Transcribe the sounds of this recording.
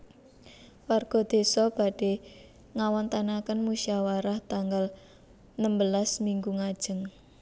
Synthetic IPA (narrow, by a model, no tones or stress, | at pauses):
warɡ̥ɔ̤d̪̥e̤sɔb̥a̤ɖ̥e | ŋawɔnt̪anakənmuʃiawaɾaht̪aŋɡal | nəmbəlasmiŋɡuŋad̥ʒ̥ə̤ŋ